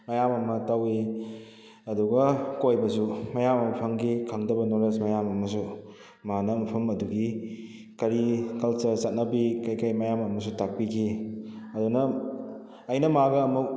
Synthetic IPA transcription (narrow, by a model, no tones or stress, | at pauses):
mɐjamɐmɐtɐwi | ɐduɡɐkojbɐs̬umɐjamɐmɐpʰɐŋɡikʰaŋdɐbɐnoɾesmɐjamɐmɐs̬u | manɐmɐpʰɐmɐduɡi | kɐɾikɐlt͡ʃɐɾsɐt̚nɐbikɐjkɐjmɐjamɐmɐs̬utak̚pikʰiɐdunɐː | jnɐmaɡɐːmuk̚